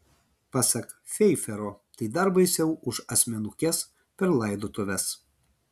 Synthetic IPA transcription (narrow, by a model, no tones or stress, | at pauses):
pɑsʲɐk | fʲɛɪfʲɛɾoːt̪ɐɪd̪ɐɾbɐɪsʲɛʊʔʊʃɐsʲmʲɛnʊkʲɛs | pʲɛɾlˠɐɪd̪oːt̪ʊʋʲɛs